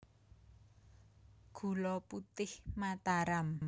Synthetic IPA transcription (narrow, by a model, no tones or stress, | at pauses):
ɡ̥ṳlɔput̪ɪhmat̪aɾam